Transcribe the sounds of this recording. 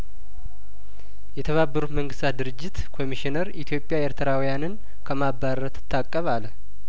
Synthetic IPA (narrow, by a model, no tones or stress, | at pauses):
jɛt̪ʰəβabːəɾut̪məŋɡɨst̪ʰat̪̚d̪ɨɾɨd͡ʒːɪt̪kʰo̞miʃinəɾit̪ʰjo̞pʼjaeɾt̪ʰɨɾawjanɨn | kʰəmabːaɾət̪ɨ̥t̪ʰːakʼːəβalə